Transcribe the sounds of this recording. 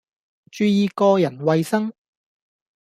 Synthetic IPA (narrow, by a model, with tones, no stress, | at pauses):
t͡ʃyː˧jiː˨˧kɔː˧jɐ˨˩nwɐ˨jsɐ˥ŋ